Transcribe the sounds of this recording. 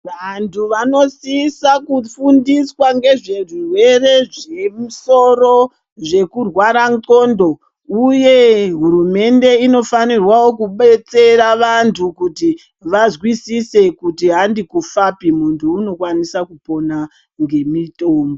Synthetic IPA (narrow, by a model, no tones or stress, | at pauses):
ʋantʰuʋano̞sisakufundiswaŋɡe̞ʐe̞rirwe̞re̞ʐe̞muso̞ro̞ | ʐe̞kurwaɾaŋko̞ndo̞ | uje̞ɦuɾume̞nde̞ino̞fanirwawo̞kuɓe̞t͡se̞raʋantʰukuti | ʋazwisise̞kutiɦandikufapimuntʰuːno̞kwanisakupo̞na | ŋɡe̞mitoːmbo